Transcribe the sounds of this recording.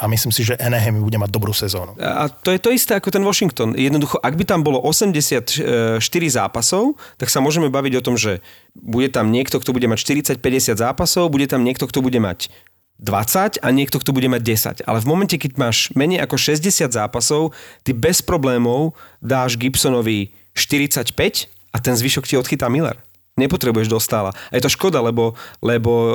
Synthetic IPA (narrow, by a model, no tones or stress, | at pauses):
amislimsiʒɛʔɛnɛɦɛmibuɟɛmaɟ̚d̪ɔbɾuːsɛzɔːnua̰t̪ɔjɛt̪ɔist̪ɛːakɔt̪ɛnʋɔʃiŋkt̪ɔnjɛd̪nɔd̪uxɔʔaɡ̚bit̪ambɔlɔʔɔsɛmɟɛsɪat̪ʃt̪iɾiza̰ːpasɔʊt̪aksamʊɔʒɛmɛbaʋiɟɔt̪ɔmʒɛ | buɟɛt̪amɲɪɛkt̪ɔkt̪ɔbuɟɛmacʃt̪iɾit͡sac̚pɛɟɛsɪad̪zaːpasɔʊbuɟɛt̪amɲɪɛk̚t̪ɔkt̪ɔbuɟɛma̰ɟ | d̪ʋa̰t͡sacaɲɪɛk̚t̪ɔkt̪ɔbuɟɛmaɟ̚dɛsa̰ɟa̰lɛvmɔmɛncɛkɛɟ̚maːʃmɛɲɛjʔakɔʃɛzɟɛsɪad̪zaːpasɔʊt̪ibɛspɾɔblɛːmɔʊd̪aːʒɡipsɔnɔʋi | ʃt̪iɾit͡sacpɛc | at̪ɛnzʋiʃɔkciɔt̪xit̪amilɛ̰ɾ | ɲɛpɔt̪ɾɛbujɛʒd̪ɔst̪aːla̰ajɛt̪ɔʃkɔd̪alɛbɔlɛbɔ